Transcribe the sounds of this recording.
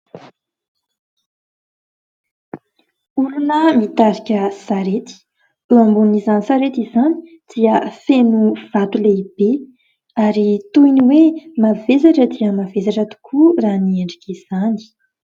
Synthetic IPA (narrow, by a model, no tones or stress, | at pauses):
uɾunəmit̪aɾikʲəsaɾet̪i̥ | uambunizanisaɾet̪izani̥ | d̪̥iəfenuv̥at̪uleib̥e | aɾit̪uiniwemavesaʈ͡ʂəd̪iəmavesaʈ͡ʂət̪u̥kʰuranieɳɖ͡ʐikʲiz̥ani̥